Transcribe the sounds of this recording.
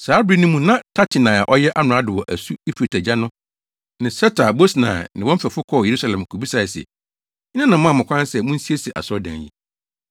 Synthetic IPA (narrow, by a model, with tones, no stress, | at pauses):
saː˨˦bɾi˦nũ˦mũ˨nã˦tʰa˦tʰɪ˨nã˨a˨ʔɔ˦jɛ˦ʔa˦nʊ̃˨a˦dʊ˨wɔ˨ʔæ˨su˦e˦pʰe˨tʰæ˨d͡ʑa˦nʊ̃˦ | nɪ̃˨sɛ˦tʰa˨bo˦snã̰˨nɪ̃˨wɔ̃˦m̩˦fæ˨fʊ˦kʰɔ˦˨je˨ɾu˦sa˨lɛ̃˨m˨kʰu˨bi˦sa˨sɪ˨ɛ̰˨˦ | nã˦nã˨mʊ̃˦˨mʊ̃˨kʷʰã˦n˦sɛ˨mũ˦n̩˦si˦e˦si˨ʔa̰˨sɔ˦dã̰˨jḭ˦˨